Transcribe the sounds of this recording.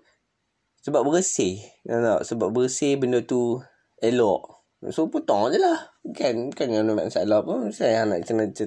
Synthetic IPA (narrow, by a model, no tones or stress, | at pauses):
səbap̚bəɣəsenanaʔsəbap̚bəɣəsebəndət̪u | ɛlɔʔ | sopot̪ɔŋd͡ʒəlahkankanjanuma̰nsaelɔʔpunsaana̰ʔt͡ʃənat͡ʃə